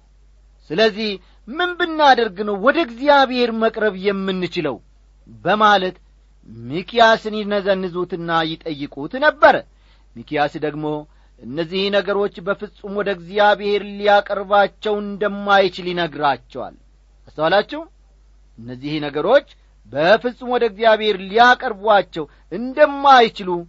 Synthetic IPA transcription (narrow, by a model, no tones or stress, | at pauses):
sɨləzːih | mɨnbɨnːad̪əɾɡɨnəwwɔd̪əɡzijaβehe̞ɾməkʼɾəβjɛmːɨnːɨt͡ʃɪləw | bəmalət̪ | mikʰijasɨnjnəzənːɨzut̪ɨnːajɪt̪ʼəjːɪkʼut̪nəbːəɾə | mikijasd̪əɡmo̞ | ʔɨnːəzːihnəɡəɾo̞t͡ʃːbəfɨsʼumwɔd̪əɡzijaβeheɾlijakʼəɾβat͡ʃːɛwɨnd̪əmːajt͡ʃɪljɪnəɡɾat͡ʃːɛwa̰l | ʔast̪əwalat͡ʃːɛhw | ʔɨnːəzːihnəɡəɾo̞t͡ʃː | bəfɨsʼumwɔd̪əɡzjaβhe̞ɾlijakʼəɾbuat͡ʃːɛw | ʔɨnd̪əmːajt͡ʃɪlu